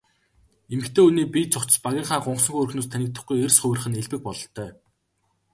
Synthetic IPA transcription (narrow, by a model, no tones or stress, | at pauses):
emɘ̆kt̪ʰeːuniːpit͡sʰʊkt͡ɕ̆paɣʲiːɴχaːɢʊɴqsɞ̆ŋxɵrxnoːst̪ʰænʲɪk̚t̪ə̆χɡujersχʊw̆r̆χɘ̆neɮpɘ̆k̚pɔɮɞ̆ɬt̪œː